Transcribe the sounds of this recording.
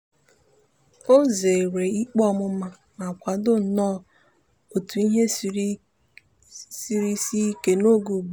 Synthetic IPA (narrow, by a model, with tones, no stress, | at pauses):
o˦ze˨ɾe˨i˦k͡pɔ˦ɔ˦mʊ˦a˦ | na˨kʷa˨dʊ˦n̩˨nɔː˦˨ | o˨tu˨i˦ɦe˦ | si˦ɾi˦si˦ke˨no˦ɡu˨ɡ͡b